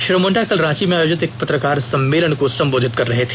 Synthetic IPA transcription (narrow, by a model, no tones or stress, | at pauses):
ʃɾəmoɳʈakəlɾãːt͡ɕimeaːjoːd͡ʑɪt̪eːk̚pɐt̪ɾəkaːɾsɐmːeləɳkosɐmboːd̪ʱɪt̪̚kɐɾːɐɦet̪ʰe̥